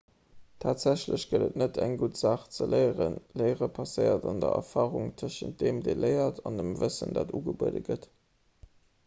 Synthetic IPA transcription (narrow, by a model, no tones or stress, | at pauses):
tʰaːtz̥æɕləɕɡ̥ədətnətʰæŋɡutz̥aːχt͡səlʔəɪəʁənləɪʁəpʰɑsəɪɐdɑndɐ̰ɛ̰faːʁʊŋtʰəɕənt̚d̥eːmdeːləɪɐtʰɑndəmvəsənda̰ːtuːɡəbuədəɡət